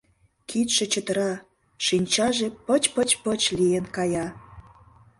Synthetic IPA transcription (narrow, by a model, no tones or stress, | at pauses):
kʰit̪ʃĕt͡ɕət̪ə̆ɾɑ | ʃinʲt͡ɕɑʒepət͡ɕpət͡ɕpət͡ɕlienkɑjɑ